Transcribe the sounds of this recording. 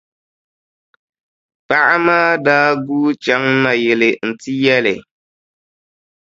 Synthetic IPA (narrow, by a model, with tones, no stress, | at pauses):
pa˦ʔa˦maː˦daː˦ɡuː˦t͡ʃa˦ŋna˨jɛ˨lɪ˨n̩˨ti˦jɛ˦lɪ˨